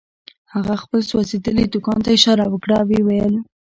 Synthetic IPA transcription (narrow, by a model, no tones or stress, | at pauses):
haɣaxpəlswasid̪əlid̪ʊkɑnt̪aɪʃɑɾawəkɽawiwajəl